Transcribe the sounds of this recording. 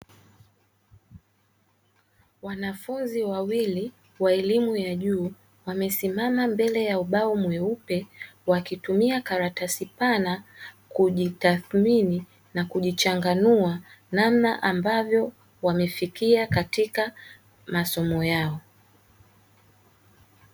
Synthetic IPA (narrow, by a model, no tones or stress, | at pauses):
wanafunziwawili | waɛlimujaʄuː | wamɛsimamambɛlɛjauɓaɔmwɛupɛwakitumiakaɾatasipanakuʄitaθmini | nakuʄit͡ʃaŋɡanua | nam̩naʔambavjɔ | wamɛfikiakatika | masɔmɔjaɔ